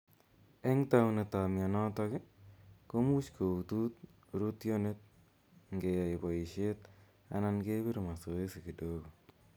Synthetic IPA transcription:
ɛ˦ŋtawne˨ta˨mja˨nɔ˦tɔkɪ˦ko˦mu˦t͡ʃko˨u˨tu˦t̪̚ | ɾutjonet̪̚ | ŋɡea˨ɪ˨bɔ˨ɪʃet̪ | a̰nanke˦bi˦ɾma˨so˨esi˨ki˨doːɡo˨

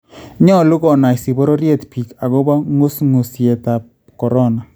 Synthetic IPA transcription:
ɲɔ˦lu˦kɔ˨na˨jsi˨bɔ˦ɾɔ˦ɾje˦tpi˨ka˨ɣo˦ba˦ŋo˦sŋu˨sje˨ta˨p̚ | kɔ˨ɾɔ˦na˨

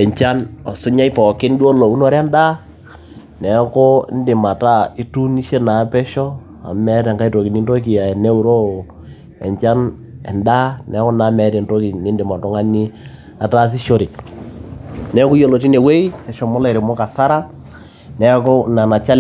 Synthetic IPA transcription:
ɛ˨ɲt͡ʃa˦nɔ˨sʊ˦ɲa˦ɪ˦pɔ˨kɪ˦n˦di˦o˦lo˨u˦no˨ɾa˦nda˦ | nɛ˨˦kʊ˦n˦dɪ˨ma˨ta˦i˦tu˦ni˦ʃe˦na˨˦pɛ˦ʃɔ˦ | a̰˨mɛ˦tɛ˨ŋka˦i˦to˨ki˨ni˦nto˦k̬i˨a˨ne˦u˨ɾo˦˨ | ɛ̰˨ɲt͡ʃa˦n | ɛ˨nda˦nɛ˨˦kɔ˦na˨˦mɛ˨˦tɛ˨nto˦ki˨nɪ˨˦ndɪ˨ma˨tɔ˦ŋa˦ni˦ | a˨ta˦s̬i˦ʃo˦ɾɪ˨ | nɛ˨˦kʊ˦jo˦˨lo˨ti˦ne˨we˦i˦ɛ˨ʃɔ˨mɔ˦la˨ɾɪ˨mɔ˦ka˨sa˦ɾa˦ | nɛ˨˦kʊ˦na˨na˨t͡ʃa˦l

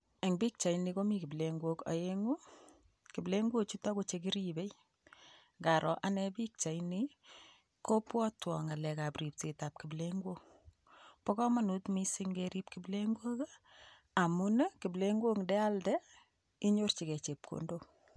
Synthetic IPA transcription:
ɛ˨ŋbi˦k̚t͡ʃa˨jni˨ko˦mi˦kɪ˨bleŋɡwo˦ka̰˨je˦ŋu˦ | ki˨ble˦ŋɡwo˦t͡ʃu˦ta˦ko˦t͡ʃeki˦ɾibe˦j | ŋɡa˨ɾʔɔ˨ʔa˨nɛbi˦k̚t͡ʃa˨jni | ko˦pwɔ˦twɔ˨ŋa˨lɛ˨ka˨pri˨p̚ti˨ta˨p̚kɪ˨bleŋɡwo˦ŋ | pɔ˦kɔ˦ma˨nutmisi˦ŋɡeɾi˦pki˨ble˦ŋɡwo˦k | a˨mune˦kɪ˨bleŋɡwo˦ŋdɛ˦a˦ldɛ˦ | i˦ɲo˦rt͡ʃi˨kɛ˨t͡ʃe˨p̚kʰo̰˨ndo

